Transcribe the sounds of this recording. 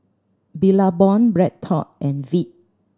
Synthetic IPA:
bilabɔ̃nbɹɛd̚tʰɔ̰t̚ʔɛ̃nvit̚

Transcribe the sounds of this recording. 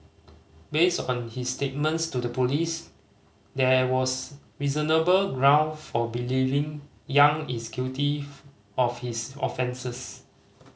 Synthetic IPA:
bestɔ̃nhisːtet̚mə̃ntstudəpolis | dɛwɔs | ɹizənəbəlɡɹãʊ̃nfɔbilivɪ̃ŋ | jãŋɛkskuti | ɔfhisɔ̰fɛ̃nsəs

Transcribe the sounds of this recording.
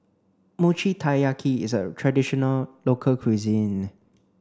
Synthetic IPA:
mut͡ʃitʰajakʰiɪ̰zətʰɹadɪʃɔnəllokʰəlkʰwizĩn

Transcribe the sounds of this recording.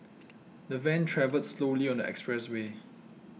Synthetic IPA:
dəvɛ̃ntʰɹɛvəlsloliɔ̃ndəɛ̰kspɹɛswe

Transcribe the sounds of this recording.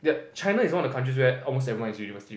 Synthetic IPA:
jat͡ʃãɪnaisɔ̃ndəkʰãntɹis̬wɛɔlmostɛvɹiwãnisjunivəsiti

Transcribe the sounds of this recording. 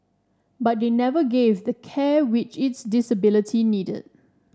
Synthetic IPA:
bat̚d̪enɛvəɡevdəkʰɛwɪt͡ʃɪtsdɪsəbɪlɪtʰinidə̰d̚

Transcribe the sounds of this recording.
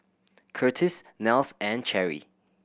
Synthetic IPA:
kʰɜtʰisnɛlˠsæ̃nt͡ʃʰɛɹḭ

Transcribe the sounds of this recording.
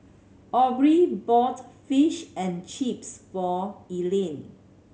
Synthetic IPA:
ʔɔbɹibɔtfiʃɛ̃nt͡ʃipsfɔilẽn

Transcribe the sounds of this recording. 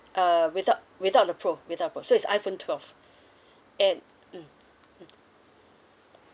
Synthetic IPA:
ʔʌwiθat̚wiθat̚dəpʰɹowiθaʊtəpʰɹosoitsa̰jfõntʰwɛlv | ɛ̃n̩

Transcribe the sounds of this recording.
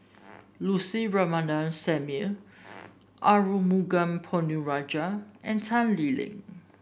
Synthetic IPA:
lusiɹɔmanãnsɛmu | ʔaɹumuɡãmpʰɔnuɹad͡ʒaʔɛ̃ntʰãnlilɪ̰̃ŋ

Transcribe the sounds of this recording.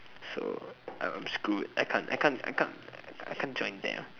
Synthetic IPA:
soʔa̰ã̰mskut̚ajkʰãnta̰ɪkʰãna̰jkʰã̰najkʰãnd͡ʒɔ̃ɪ̃nd̪ɛ̰

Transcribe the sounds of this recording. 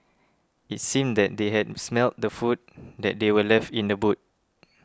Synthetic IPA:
it̚sĩmdɛt̚deɦɛd̚smɛlt̚dəfut̚dɛt̚dewəlɛftĩndəbut̚

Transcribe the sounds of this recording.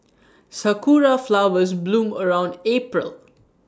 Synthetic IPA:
səkuːɾaflaʊʋəzblũːməɹãʊ̃ɳɖeːpɹə̰l

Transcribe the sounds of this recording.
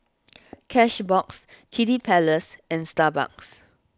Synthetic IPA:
kʰɛʃbɔkskʰidipʰɛləsɛ̃nstaba̰ks

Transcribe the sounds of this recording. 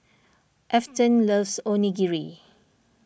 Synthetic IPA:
ʔɛftə̃nləvsõniɡiɹi

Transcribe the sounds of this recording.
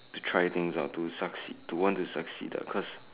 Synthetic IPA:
tutʰɹaɪt̪ɪ̃ŋza̰tusaksḭtuwɔ̃ntusəksḭdə̰kʰɔs

